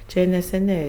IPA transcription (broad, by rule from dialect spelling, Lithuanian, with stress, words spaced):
t͡ʃʲɛ nʲɛsʲɛˈnʲɛɪ